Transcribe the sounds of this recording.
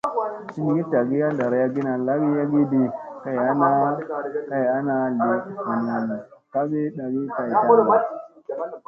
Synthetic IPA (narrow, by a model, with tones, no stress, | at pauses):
si˦ni˨ɡi˦ta˨ɡi˦ja˦da˨ɾa˨˦ja˦ɡi˦na˨la˦ɡi˦ja˦ɡi˦di˨ka˦ja˦na˦ka˦ji˨a˦na˨le˨i˨n˨a˨n˨ka˦ɡi˦ɗa˨ɡi˦ka˨i˨˦a˨˦˨